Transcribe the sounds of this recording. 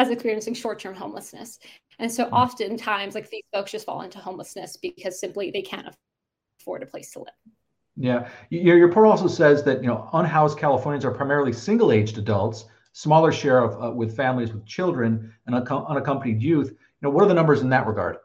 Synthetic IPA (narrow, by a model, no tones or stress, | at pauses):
ɨzɨkspɪɹiɨ̃nsɪ̃ŋʃɔɹtʰɜ̃˞mɦõʊ̃mləsnɨ̰s | ɨ̃nsoʊʔɑftɨ̃ntʰãɪ̃mzlaɪk̚ðiz̥foʊksʌstfɔ̰lˠɪ̰̃ntuhõʊ̃mləsnɨsb̥ɨkʰʌz̥sɪ̃mpliðeɪkʰæ̰̃ntə̰ | fɔɹdɨpʰl̥eɪstʰəlɪ̰v̥ | jæjjjə˞pʰʊɹɔlˠsoʊsɛzðɨt̚jɨnoʊʌ̃nɦaʊskʰælˠəfɔɹnjɨ̃nzə˞pʰɹ̥aɪmɛɹl̩ˠisɪ̃ŋɡl̩ˠeɪd͡ʒdɨdʌlˠts | smɔlˠə˞ʃɛɹʌvʌwɪð̥fæ̃mlˠizwɨð̥t͡ʃʰɪlˠdɹɨ̃nə̃nʰʌʔʌ̃ñɨkʰʌ̃mpənidjʉθ | jɨnoʊwʌɾə˞ðənʌ̃mbə˞z̃n̩ðɨʔɹəɡɑ̰ɹd̥̚